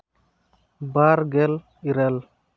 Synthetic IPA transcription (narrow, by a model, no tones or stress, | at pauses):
baɾɡɛl | iɾɛl